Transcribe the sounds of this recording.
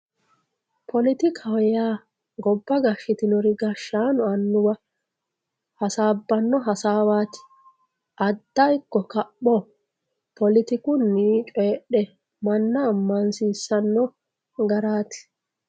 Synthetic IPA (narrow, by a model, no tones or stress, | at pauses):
pʰɔlɪt̪ɪkʰɐwjaː | ɡɔbːɐɡɐʃɪt̪ɪnɔɾɪɡɐʃːaːnɔɐnːʊwɐ | hɐsaːbːɐnːɔɦɐsaːwaːt̪ɪ̥ | ʔɐd̪ːɐjkːɔkɐpːɔ | pɔlɪt̪ɪkʊnːiːt͡ʃʼeːɗɛ | mɐnːɐːmːɐnsiːsːɐnːɔ | ɡɐɾaːt̪ɪ̥